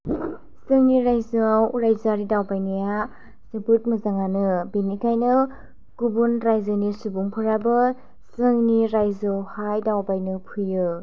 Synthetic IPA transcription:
sɯŋniɾajzɯawɾajzaɾidawpajnɯja | sepɯt̚mɐzaŋanɯbenikʰajnɯ | kubunɾajzɯnisubuŋpʰɯɾabɯ | sɯŋniɾajzɯawhajdawpajnɯpʰɯjɯ

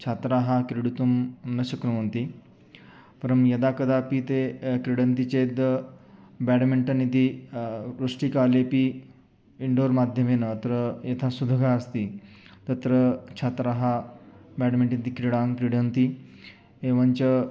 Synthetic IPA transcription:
t͡ɕʰat̪ɾaɦakɾiɽut̪umnəɕəknuʋənt̪i | pəɾəmjɐd̪akəd̪apit̪ekɾiɽənt̪it͡ɕed̪ə | bɛɽmeɳʈənit̪i | ɾɾuʂʈikalepi | iɳɖoɾmad̪ʱjəmenət̪ɾəjet̪ʰasud̪ʱəɡʱaəst̪i | t̪ət̪ɾət͡ɕʰat̪ɾaɦabɛɽmeɳʈnit̪ikɾiɽãŋkɾiɽənt̪i | eʋənt͡ɕə

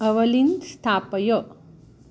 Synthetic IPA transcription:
əʋəlind̪st̪ʰapəjo

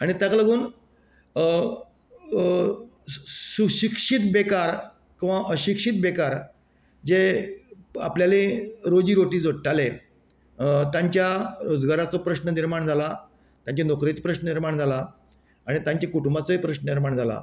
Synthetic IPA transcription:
aɽ̃it̪jakləɡuːn | suɕikʂit̪bekaɾ | kĩʋaʔəɕikʂit̪̚bekaɾ | d͡ze | a̰pljaleɾod͡ʑiːɾoʈiːd͡zʋəɽʈale | t̪jãɲt͡ɕjaɾod͡zɡaɾat͡sɔpɾəɕnəniɾmaɳd͡zʱala | t̪jãɲt͡ɕanokɾet͡spɾəɕnəniɾmaɳd͡zʱala | aɽ̃it̪jãɲt͡ɕakuʈumbat͡sɔipɾəɕnəniɾmaɳd͡zʱala̰

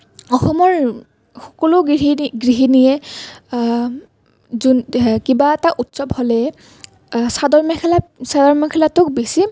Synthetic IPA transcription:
ɔxɔmɔɹ | xɔkɔlʊɦiɡɹiɦinijɛ | zunkibaɛtaʔutsɔbholɛ | sadɔɹmɔkʰɛlasadɔɹmɔkʰɛlatʊk̚besi

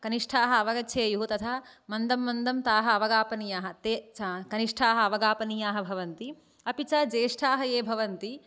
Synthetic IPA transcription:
kɐniʂʈʰaːɦɐɐʋɐɡɐt͡ʃʰeːjuɦut̪ɐt̪ʰɐmɐnd̪ɐmːɐnd̪ɐmt̪aːɦɐɐʋɐɡaːpɐnijaːɦɐ̆t̪ekɐniʂʈʰaːɦɐ̆ɐʋɐɡaːpɐnijaːɦɐbʱɐʋɐnt̪i | ɐpit͡ʃɐd͡ʒeːʂʈʰaːɦɐjeːbʱɐʋɐnt̪i

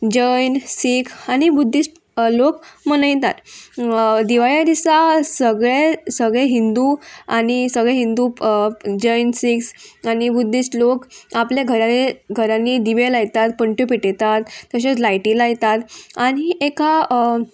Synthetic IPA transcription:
d͡ʑəjnsikʰañibud̪ʱːisʈ | lokmənəjt̪a̰t̪ | d̪iʋaɭjad̪isasəɡɭesəɡɭeɦind̪uañisəɡɭeɦind̪u | d͡ʑəjnsiksanibud̪ʱːisʈlokapleɡʱəɾaniɡʱəɾãnːid̪iʋelajt̪at̪pəɳʈupiʈet̪at̪ːəɕet͡slajʈĩlajt̪at̪aɽ̃ieka

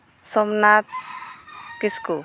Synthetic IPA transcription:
sɔmnat̪ | kisku

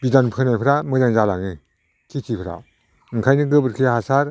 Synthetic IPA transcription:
bidanpʰɯnajpʰɾamɯzaŋzala̰ŋɯ | kʰikʰipʰɾa̰ | ɯŋkʰajnɯɡɯbɯɾkʰijhasaɾ

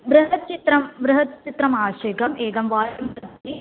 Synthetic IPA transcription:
ʋɾɨɦɐt̪̚t͡ʃit̪ɾɐmʋɾɨɦɐt̪̚t͡ʃit̪ɾɐmaːɕɐjɡɐmʔeːɡɐmʋaːjɐmt̪ɐt̪i

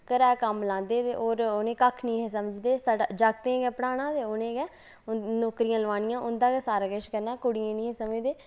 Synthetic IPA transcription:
kəɾɛːkəmlãːnd̪eːt̪ḛːʔoːɾonẽːkəkʰnĩːɦeːs̬əməd͡ʒd̪eːsəɽd͡ʒaːɡ̚t̪ẽːɡɛːpəɽaːñãːt̪eːʊnẽːɡɛː | noːkɾijãːləʋaːnɪjãːʔʊnd̪ãːɡɛːsaːɾaːkəʃkəɾnaːkʊɽijẽːnĩːɦeːsəmeːd̪eː

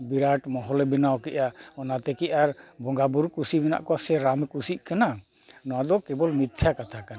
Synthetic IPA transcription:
biɾaʈmɔɦɔlebinawkɛʔaɔnat̪ɛkiʔaɾbɔŋɡabuɾkusibina̰ʔkɔasɛɾamkusiʔ̚ˀkana | nɔwad̪ɔkɛbɔlmit̪ʰjakat̪ʰakana

